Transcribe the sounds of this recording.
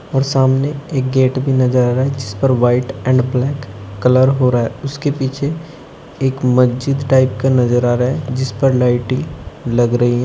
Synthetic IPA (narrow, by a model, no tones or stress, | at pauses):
ɔːɾsaːmneeːk̚ɡeːʈbʱinɐzəɾaːɾaɦɛd͡ʒɪspəɾʋaːɪʈɛ̃ːɳɖblɛːkːɐləɾɦoɾaːɦɛʊskepiːt͡ʃʰe | eːkmɐsd͡ʒɪd̪ʈaːɪpkanɐzəɾaːɾaɦɛd͡ʒɪspəɾlaːɪʈĩlɐɡɾɐɦiɦɛ̃ː